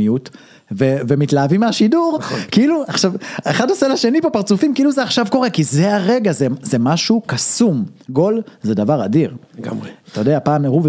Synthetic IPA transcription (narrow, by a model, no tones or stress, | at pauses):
ijut | vevemitlaːvimeaʃiduʁkiiluaχʃaveχadaselaʃe̞nipopaʁt͡sufimkiiluzeaχʃavko̞ʁe̞kizeaʁe̞ɡazezemaʃukasumɡo̞lzedavaʁadiʁaeat̪ajodeapaːmʁuv